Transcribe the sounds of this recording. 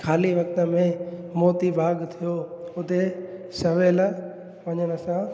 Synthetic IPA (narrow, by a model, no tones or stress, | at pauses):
kʰaːliʋɐk̚t̪ə̆mẽmoːt̪ibʱaːɡt̪ʰijoʊt̪esɐʋeːl | ʋɐɲəɽ̃əsã